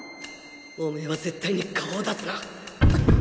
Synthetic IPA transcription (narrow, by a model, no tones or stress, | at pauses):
oːmeβaze̞t̪ːaiɲ̟ikʰaoːd̪at͡sɨna